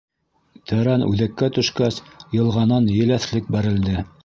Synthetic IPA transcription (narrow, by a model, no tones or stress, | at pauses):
t̪ʰæɾænʔʉ̰ðækːæt̪ɵ̆ʃkæsjɤ̆lˠʁɑnɑnjɘ̆læθlɘk̚bæɾɘ̆ld̪ɘ